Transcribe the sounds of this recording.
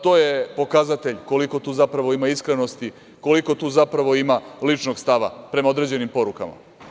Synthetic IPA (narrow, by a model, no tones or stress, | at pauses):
t̪o̞ːje̞po̞kazat̪e̞ʎko̞liko̞t̪uːzapɾaʋo̞imaiskɾe̞no̞st̪i | ko̞liko̞t̪uːzapɾaʋo̞imalit͡ʃno̞ɡst̪aʋa̰pɾe̞mao̞d̪ɾe̞d͡ʑe̞nimpo̞ɾuka̰ma̰